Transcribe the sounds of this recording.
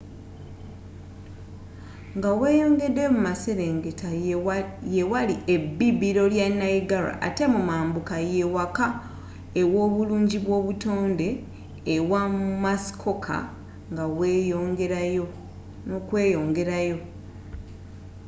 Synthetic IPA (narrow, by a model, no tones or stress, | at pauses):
ŋɡaweːjo̞ːŋɡe̞dːe̞mumase̞ɾeŋɡeta | jewaliebːiβiɾo̞ljanːaiɡaɾa̰ʔa̰te̞mumaːmbukajewaka | ewo̞ːβuluːɲɟiβwo̞ːβuto̞ːnde̞ː | wamumasi̥kʰo̞kʰa̰ | ŋɡawejoŋɡeɾajo | nokwe̞ːjo̞ːŋɡe̞ɾajo̞